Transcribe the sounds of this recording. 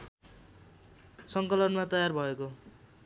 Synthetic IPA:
sʌŋkʌlʌnmat̪ʌjarbʱʌeko

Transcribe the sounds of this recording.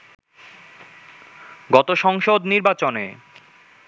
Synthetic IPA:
ɡɔt̪oʃɔŋʃod̪niɾbat͡ɕonḛ

